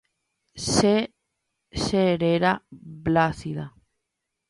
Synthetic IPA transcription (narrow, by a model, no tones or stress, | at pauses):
se | seɾeɾablaθiða